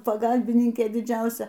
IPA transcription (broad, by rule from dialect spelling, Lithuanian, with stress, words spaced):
pɐˈɡɐlʲbʲɪnʲɪŋʲkʲeː dʲɪˈd͡ʒʲɛʊsʲɛ